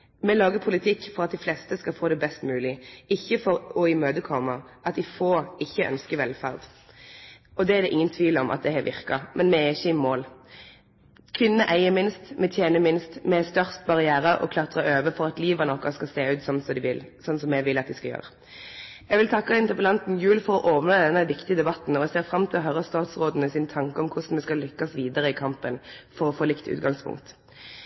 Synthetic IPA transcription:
mɛlɑːɡəpʰʊlɪt̪ʰɪkːfɔʁɑt̪̚d̪ɪflɛst̪əskɑfoːd̪ɛbɛst̪mʉːlɪɪçːəfɔɾɔɪmøːd̪əkʰɔməʔɑt̪d̪ɪfoːɪçːəʔœ̰nskəʋɛlfæʁd̪ | ɔd̪ɛæd̪ɛʔɪŋːənt̪ʰʋiːlɔmʔɑ̰t̪̚d̪ɛhæːʋɪ̰ʁkɑmʔɛnmɛɛɪçːəɪmoːl | kʰʋɪnːəʔæɪəmɪnst̪mɛt̪ʰjeːnəmɪnst̪mɛst̪œʁst̪bɑʁɪæːɾəʔɔ̰kʰlɑt̪ʁɑøːʋəfɔɾɑt̪liːʋənɔkːɑskɑseːʉːt̪sɔnsɔd̪ɪʋɪlsɔnːsɔmɛʋɪlːɑt̪̚d̪ɪskɑljø̰ːʁə | ɛɡʋɪlt̪ʰɑkːɑɪnt̪əpəlɑnt̪n̩jʉːlfɔʁɔʔoːʋənɑd̪ɛnːəʋɪkt̪ɪəd̪ɛbɑt̪n̩ɔɛseːʁfʁɑmt̪ʰɪlɦœʁəst̪ɑːt̪sʁoːd̪ən̩əsɪnt̪ʰɑŋkəɔmkʰʊsn̩mɛskɑlʏkːɑsʋiːd̪əʁəɪkʰɑmpənfɔɾɔfoːlɪkt̪ʉ̰ːt̪ɡɑŋspʰʊ̰ŋkt̪

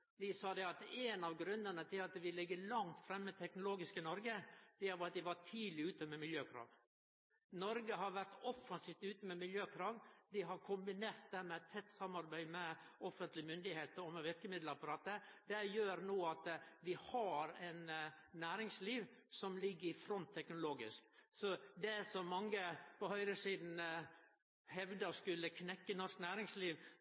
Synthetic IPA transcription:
ʋ̪ɪsɑːd̪ɛɑt̪ɛːnɑʋɡɾʉnːənət̪ʰɪlɑt̪ʋɪlɪɡːəlɑŋt̪fɾɛmːət̪ʰɛknʊloːɡɪskɪnɔɾɡəd̪̥ɛæɾʋɑɑt̪̚d̪ɪʋɑt̪ʰiːd̪lɪʉːt̪əmɛmɪljøːkʰɾɑ̰ːʋ | nɔɾɡəɦɑɾʋæɾt̪ɔfːɑnsiːft̪ʉːt̪əmɛmɪljøːkʰɾɑːʋd̪ɪɦɑɾkʰʊmbɪneːɾt̪̚d̪æɾmɛt̪ʰːɛt̪ːsɑmːɑɾbæɪmɛɔfːənt̪lɪmʏnd̪ɪheːt̪əɾɔmɛʋɪɾkəmɪd̪ləɾɑpɑɾɑːt̪əd̪ɛjøːɾnoːɑt̪ʋɪhɑɾɛnːæːɾɪŋsliːʋsɔmlɪɡːəɾɪfɾɔnt̪ʰːɛknʊloːɡɪsksɔd̪ɛsɔmːɑŋːəpʰɔhœʏɾəsiːd̪n̩ | hɛʋd̪əɔskʉlːəkʰnɛkːənɔʂknæːɾɪŋsliːʋ

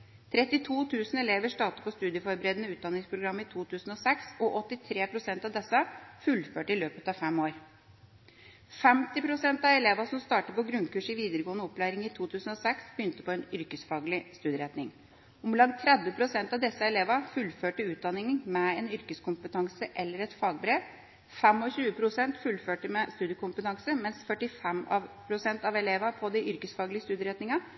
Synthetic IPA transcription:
t̪ʰɾɛt̪ːɪt̪ʰuːt̪ʰʉːsnɛleːʋəʂʈɑːt̪əpɔst̪ʉːd̪ɪjəfɔɾbəɾɛːd̪ənəʉːt̪d̪ɑnɪŋspʰɾʊɡɾɑmːɪt̪ʰuːt̪ʰʉːsn̩ɔsɛksɔʔɔt̪ːɪt̪ʰɾeːpʰɾʊsɛnt̪ɑʋd̪ɛsːəfʉlføːʈəɪløːpət̪ɑːʋfɛmoːɾ | fɛmt̪ɪpʰɾʊsɛnt̪ɑʋɛleːʋɑsɔmst̪ɑːʈəpɔɡɾʉnkʉːʂɪʋiːd̪əɾəɡoːənəɔpːlæɪɾɪŋit̪ʰuːt̪ʰʉːsn̩ɔsɛksbəjʏnt̪ə̥pɔɛnʏɾkəsfɑːɡlɪst̪ʉːd̪jəɾɛt̪nɪŋ | ʊmblɑnt̪ʰːɾɛd̪ʋəpʰɾʊsɛnt̪ɑʋd̪ɛsːəɛleːʋɑfʉlføːʈəʉːt̪̚d̪ɑnɪŋənmɛɛnʏɾkəskʊmpət̪ɑŋsəʔɛlːəɾɛt̪fɑːɡ̚bɾeːʋ | fɛmɔɕʉːəpʰɾʊsɛnt̪fʉlføːʈəmɛst̪ʉːd̪jəkʰʊmpət̪ɑŋsəmɛnsfœʈɪfɛmɑʋpʰɾʊsɛnt̪ɑʋɛleːʋɑpʰɔd̪ɛʔʏɾkəsfɑːɡlɪəst̪ʉːd̪jəɾɛt̪nɪŋɑ

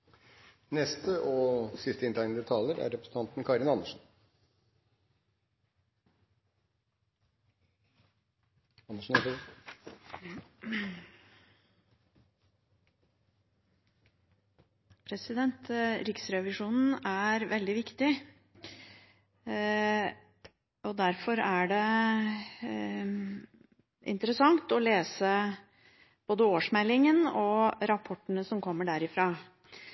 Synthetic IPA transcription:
nɛst̪əʔɔsɪst̪əɪnt̪æɪnd̪ət̪ʰɑːləɾæ̰ɾɛpɾəsn̩ʰɑnt̪n̩kʰɑɾɪnɑnəʂn̩ | ɑnəʂn̩ | pʰɾɛsɪd̪ɛnt̪ɾɪksɾɛʋɪʂuːnn̩æɾʋɛld̪ɪʋɪkt̪ɪ | ʔɔd̪æɾfɔɾæɖɛ | ʔɪ̰nt̪əɾəsɑŋt̪ɔleːsə | b̥oːd̪əoːʂmɛlːɪŋənɔɾɑpʰɔʈːənəsɔmkʰɔmːəɖæɾɪfɾɑː

